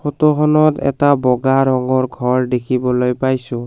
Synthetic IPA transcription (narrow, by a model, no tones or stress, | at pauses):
xotɔxɔnɔtɛ̰tabɔɡaɾɔŋɡɔɹɡʱɔɹdekʰibɔlojpajsʊ̃